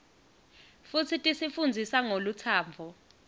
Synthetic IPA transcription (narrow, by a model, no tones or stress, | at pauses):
fut͡sʰitʼisifund͡zʱisaŋolut͡sʰaːmvʱɔ